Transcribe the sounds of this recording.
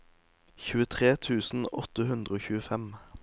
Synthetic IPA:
çʉːət̪ʰʁeːt̪ʰʉːsn̩ɔt̪əhʉnd̪ʁəoːçʉːəfɛm

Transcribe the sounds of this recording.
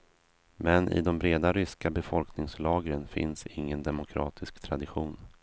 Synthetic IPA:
mɛnʔɪ̰d̪ɔmbɾeːd̪aɾʏskabɛfɔlknɪŋslɑːɡɾənfɪ̰nsɪ̰ŋːənd̪ɛmʊkʰɾɑ̰ːt̪ʰɪskt̪ʰɾad̪ɪɧuːn

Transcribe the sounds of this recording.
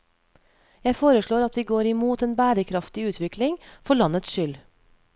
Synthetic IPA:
jæɪfoːɾəʃɭoːɾɑt̪ʋiːɡoːɾɪmuːt̪eːnbæːɾəkʰɾɑft̪ɪʉːt̪ʰʋɪklɪŋfɔɭɑnət̪sʃʏl

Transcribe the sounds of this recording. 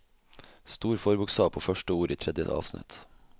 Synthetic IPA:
st̪uːɾfoːɾbʊkst̪ɑːʋpʰoːfœʃʈəuːɾiːt̪ʰɾɛd̪jə̰ʔɑ̰ːʋsnɪ̰t̪

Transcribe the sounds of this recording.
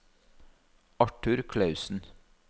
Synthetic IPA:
ɑʈʉɾkʰlɑʉsn̩

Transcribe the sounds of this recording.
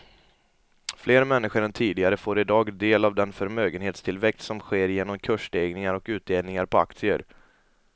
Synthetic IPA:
fleːɾmɛnːɪɧəɾɛnt̪ʰiːd̪ɪɡaɾəfoːɾɪd̪ɑːɡd̪eːlavd̪ɛnfœɾmøːɡənheːt̪st̪ʰɪlvɛk̚t̪sɔmɧeːɾjeːnɔmkʰɵʂɖeːɡnɪŋaɾɔkʉ̟ːt̪̚d̪eːlnɪŋaɾpʰɔa̰k̚t̪sɪə̰ɾ

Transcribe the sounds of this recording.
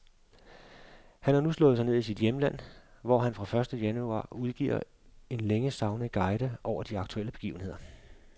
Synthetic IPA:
hænhɑ̈nuslɔ̽ːð̩ˠsɑ̈ɪe̝ð̰ˠisid̥jeməlæn̰ʋɒɦænfʁɑ̈fɶɐsd̥əjænuɑ̰̈ːuð̞ˠɡ̥ḭːɐ̰ | e̝nleŋəsɑ̈ʊnəɡ̥ɑ̈ɪɾ̥əʔɒʊ̰ɐd̥iɑ̈ɡ̥̚t͡sʰuel̰əb̥e̝ɡ̥ḭːʊən̩he̝ð̞̰ˠɐ

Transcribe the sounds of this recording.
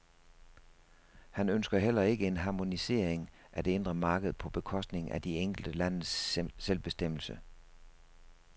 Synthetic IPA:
hænønsɡ̥ɐɦel̰ɐe̝ɡ̥əe̝nɦɑ̈ːmo̝nise̝̰ɐ̰eŋ | ʔæd̥e̝e̝nd̥ʁɐmɑ̈ːɡ̥əð̞̩ˠpʰɒ̽b̥e̝kʰɒ̽sd̥ne̝ŋʔæd̥ieŋ̰ɡ̥l̩d̥əlæn̰ð̩sselb̥e̝sd̥em̰l̩sə

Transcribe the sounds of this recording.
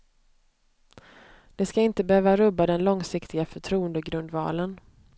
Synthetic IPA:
d̪̥ɛskaɪnt̪əbɛhøːvaɾɵbad̪ɛnlɔŋsɪkt̪ʰɪɡafœʈʰɾuːənd̪əɡɾɵnd̪vɑ̰ːlən

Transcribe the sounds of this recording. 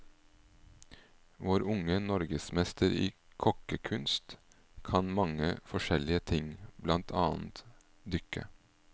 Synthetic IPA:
ʋoːɾʊŋənɔɾɡəsmɛst̪ʰəɾḭːkʰɔkəkʰʉnst̪ | kʰɑnmɑŋəfɔʃɛlɪət̪ʰɪŋblɑnt̪ʰɑːn̩t̪ | d̪ʏkə̰

